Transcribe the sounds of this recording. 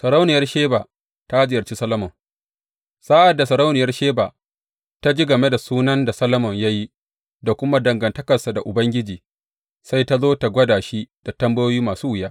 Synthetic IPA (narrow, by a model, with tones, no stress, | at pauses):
sɐ˨ɾa˦wnɪ˨jɐ˦rʃeː˦baː˨ | ta˦zɪ˨jɐ˨rt͡ʃi˦sɐ˦lɐ˦mɔ˨ŋ | saː˦ʔa˨dːa˨sɐ˨ɾa˦wnɪ˨jɐ˦rʃeː˦baː˨ | ta˦d͡ʒi˦ɡɐ˨me˦da˨suː˦nɐ˦nda˨sɐ˦lɐ˦mɔ˨ɲja˦ji˦ | da˨kʷʊ˦ma˦dɐ˨ŋɡɐ˨ntɐ˦kɐ˨rsa˨da˨ʔʊ˨bɐ˦ŋɡʲɪ˦d͡ʒiː˨ | sa˦jta˦zoː˦ta˨ɡʷɐ˦daː˨ʃi˦d̥a˨tɐ˦mbɐ˦joː˦jiː˦maː˨suː˦wɪ˨jaː˦